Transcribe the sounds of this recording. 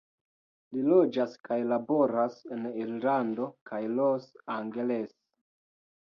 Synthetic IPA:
lilo̞d͡ʒaskajlabo̞ɾaseniɾlando̞kʰajlosaŋɡeles

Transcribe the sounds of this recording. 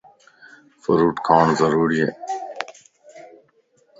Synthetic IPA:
fəɾuːʈkʰãːɳzəɾuːɾieː

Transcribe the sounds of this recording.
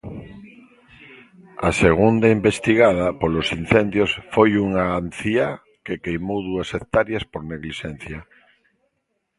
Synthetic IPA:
aseɣ̞und̪aimbest̪iɣað̞apolosin̟θend̪josfojuŋaːnθia | kekejmowðuasekt̪aɾjaspoɾneɣliʃen̟θja

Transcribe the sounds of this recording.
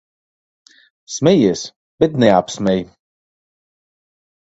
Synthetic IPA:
smɛjiɛs | b̥ɛt̪nɛapsmɛj

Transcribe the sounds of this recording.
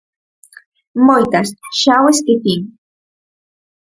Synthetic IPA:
mojt̪asʃaweskit̪iŋ

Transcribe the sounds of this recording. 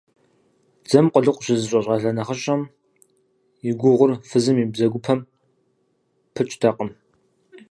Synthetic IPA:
d͡zɐmqʷəɮɨqʷʼɕɪzɨɕʼɐɕʼɐɬɐnɐχəɕʼɐm | ɪɡʷʊʁʷʊrfɨzɨmibzɐɡʷʊpʰɐm | pʰɨt͡ʃʼtʰɐqʼəm

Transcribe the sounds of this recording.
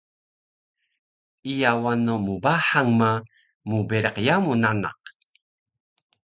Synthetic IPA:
ijawanomubaħaŋma | mubeɾəqjamunana̰q̚

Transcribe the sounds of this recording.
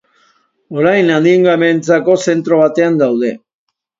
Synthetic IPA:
o̞ɾajnand̪iŋɡament͡sako̞se̞nt̪ɾo̞β̞at̪e̞and̪awð̞e̞

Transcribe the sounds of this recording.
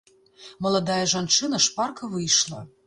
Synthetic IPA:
mɐlˠad̪ajɐʐant͡ʂɨnɐʂparkɐvɨjʂlˠɐ

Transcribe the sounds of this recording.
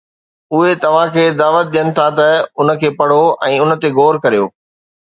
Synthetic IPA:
ʊɦet̪ɐʋ̤ãkʰeːd̪aːʋət̪̚ɗijənɪ̆t̪ʰat̪ɐʊnə̆kʰeːpɐɽ̤oɛ̃ːʊnə̆t̪eɡoːɾkɐɾijoː

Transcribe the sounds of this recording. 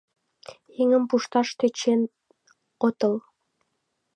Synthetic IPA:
eŋə̆mpuʃt̪ɑʃt̪øt͡ɕen | ot̪ɤ̆l

